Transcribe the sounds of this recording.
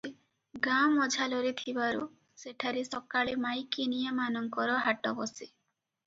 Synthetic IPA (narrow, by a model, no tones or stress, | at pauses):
i | ɡamɔd͡ʒʱalɔɾit̪ʰibaɾu | seʈʰaɾisɔkaɭimajkinijamanɔŋkɔɾɔɦaʈɔbɔsi